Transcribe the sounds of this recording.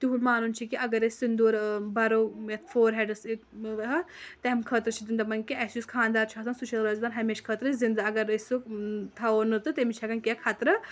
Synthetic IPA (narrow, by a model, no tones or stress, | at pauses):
t̪iɦumaːnunʲt͡ʃʰikiʔɐɡɐɾɐsʲsind̪uːɾbɐɾoːjɐt̪foːɾɦeɖɐsiʋɦɐt̪eɦɐmkʰəːt̪ɾɨt͡ʃʰid͡zind̪ɐmɐnkiɐsjuskʰaːnd̪aːɾt͡ʃʰasɐnsuʃʰɐlɾɐzd̪aːnɦɐmeːʃkʰəːt̪ɾɨsʲzind̪aɐɡɐɾɐsut̪ʰɐonɨt̪ɨt̪emit͡ʃʰɐɡɐnkʲekʰat̪ɾɨ